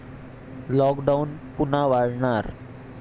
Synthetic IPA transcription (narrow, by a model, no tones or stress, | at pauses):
lɔkɖaunpunaʋaɽɳaɾ